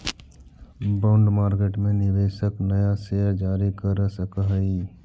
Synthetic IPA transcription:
bãːʊɳɖmaːɾkeːʈmẽnɪʋeːʃəknɐjasejad͡ʒaːɾikəɾsəkaɦiː

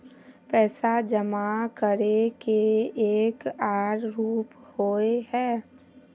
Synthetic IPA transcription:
pɛːsad͡ʒəmakəɾekeeːkaːɾɾuːphoːeɦɛː

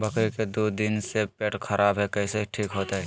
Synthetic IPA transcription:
bɐkɾiked̪oːd̪ɪnsepeːʈxʰɐɾʔaːbɦɛkɛːseʈʰiːkɦoːt̪aɦɛː

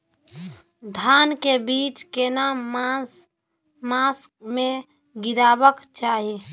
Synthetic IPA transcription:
d̪ʱankebiːt͡ʃkena | masmẽ | ɡiɾaːbəkt͡ʃaːɦi

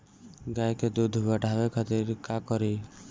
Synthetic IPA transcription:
ɡajked̪ud̪ʱbaɖʱabekʰɔt̪iɾkakɔɾi

